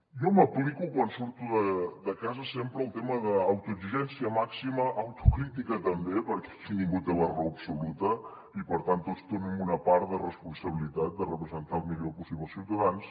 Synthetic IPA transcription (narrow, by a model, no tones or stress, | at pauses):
jɔməplikukwansuɾt̪uðəd̪əkazəsempɾəːlˠt̪eməðəːwt̪uəɡziʒɛnsiəmaksiməʔːwt̪ukɾit̪ikət̪əmbepəɾkɛ̥kit̪iŋɡut̪̚d̪əβərɔwəpsulut̪ə | ipəɾt̪ant̪ːot͡st̪onəmunəpaɾt̪dərəspunsəβ̞ilit̪at̪̚d̪ərəpɾəzənt̪alˠmiʎopusiβəlˠsiwt̪əðans